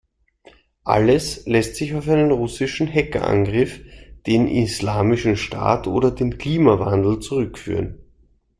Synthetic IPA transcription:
ʔa̰ləslɛstz̥ɪçaʊfæɪnənʁʊsɪʃn̩ɦɛkɐ̰ʔã̰nɡʁɪfd̥eːnʔislaːmɪʃn̩ʃta̰ːtʰʔo̰ːdɐdeːnkl̥iːmavandl̩t͡suʁʏkfy̰ːʁən

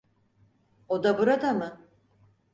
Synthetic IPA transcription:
od̪abuɾad̪amɯ

